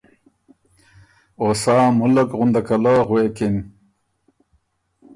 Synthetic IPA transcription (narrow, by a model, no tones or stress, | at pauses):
osaːmulɐkʁund̪akɐlaːʁwekin